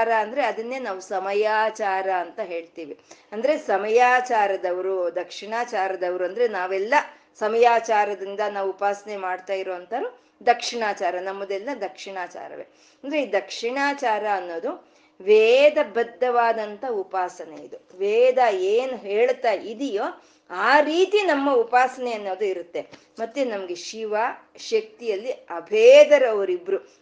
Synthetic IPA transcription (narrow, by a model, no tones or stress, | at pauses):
ɾɐɐnd̪ɐɾe̞ɐd̪ɐnːe̞ːnaːʋusɐmɐjaːt͡ʃaːɾɐːnt̪ɐɦe̞ːɭt̪iːʋiɐnd̪ɐɾe̞sɐmɐjaːt͡ʃaːɾɐd̪ɐʋɐɾud̪ɐkʂiɳaːt͡ʃaːɾɐd̪ɐʋɐɾuɐnd̪ɐɾenaːʋɛlːɐ | sɐmɐjaːt͡ʃaːɾɐd̪ind̪ɐnaːʋuupaːsɐnemaːɖt̪aːjiɾoːɐnt̪ɐɾu | d̪ɐkʂiɳaːt͡ʃaːɾɐnɐmːɐd̪ɛlːɐd̪ɐkʂiɳaːt͡ʃa̰ːɾɐ̰ʋḛ | ɐnd̪ɐɾe̞iːd̪ɐkʂiɳaːt͡ʃaːɾɐːnːoːd̪u | ʋeːd̪ɐbɐd̪ːɐʋaːd̪ɐnt̪ɐupaːsɐneid̪uʋɛːd̪ɐeːnuɦeːɭt̪aid̪ijoː | aːɾiːt̪inɐmːɐupaːsɐneɐnːoːd̪uiɾut̪ːe̞ | mɐt̪ːenɐmɐɡe̞ʃiʋaːʃɐk̚t̪ijɐlːiɐbʱeːd̪ɐɾɐʋɐɾibɾu